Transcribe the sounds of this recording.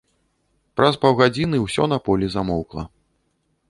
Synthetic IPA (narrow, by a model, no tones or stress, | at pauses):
pɾɐspɐwɣad͡zʲinɨwsʲɔnɐpɔlʲizamɔwklˠɐ̰